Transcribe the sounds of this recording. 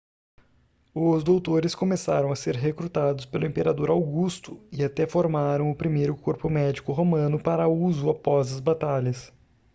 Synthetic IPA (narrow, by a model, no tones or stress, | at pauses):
ʊzd̪owt̪oɾɪskomesaɾɐ̃w̃ɐseɾɦekɾut̪ad̪ʊspelʊẽmpeɾad̪oɾawɡust̪ʊɪat̪ɛfoɾmaɾɐ̃w̃ʊpɾimejɾʊkoɾpʊmɛd͡ʒikʊɦomɐ̃nʊpaɾɐuzʊapɔzɐzbat̪aʎɐs